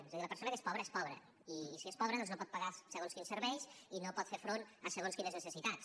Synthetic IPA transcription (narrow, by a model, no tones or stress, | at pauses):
ezðiləpəɾsonəkespɔβɾəespɔβɾə̰ | isiespɔβɾəðɔnznopɔt̪̚pəɣasəɣonskinsəɾβɛjsinopɔt̪feɾfɾonəsəɣonskinəznəsəsit̪at͡s